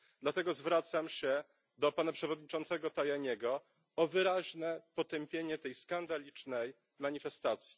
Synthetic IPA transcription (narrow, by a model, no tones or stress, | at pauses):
d̪lat̪ɛɡɔzvɾat̪samɕɛ | d̪ɔpanapʂɛvɔd̪̚ɲit͡ʂɔnt̪sɛɡɔt̪ajaɲɛɡɔ | ɔvɘɾaʑnɛpɔt̪ɛmpʲjeɲɛt̪ɛjskand̪alʲit͡ʂnɛj | maɲifɛst̪at̪sʲji̥